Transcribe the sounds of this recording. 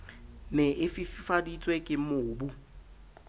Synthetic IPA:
nɛʔɪfɪfɪfadit͡sʼwekʼɪmʊːbu

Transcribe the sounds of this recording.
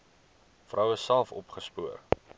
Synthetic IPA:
frʔœwəsːælˠfɔ̰pχəspuər

